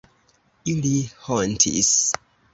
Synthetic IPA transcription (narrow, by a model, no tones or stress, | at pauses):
ilihɔntʰḭs